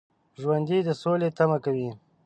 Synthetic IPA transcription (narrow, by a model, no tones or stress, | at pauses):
ʒwand̪id̪əsolet̪amakawi